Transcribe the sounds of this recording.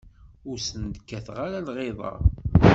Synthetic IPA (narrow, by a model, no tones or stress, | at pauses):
ʊɾsənd̪kːæθʁaɾalʁeðˤɑ̰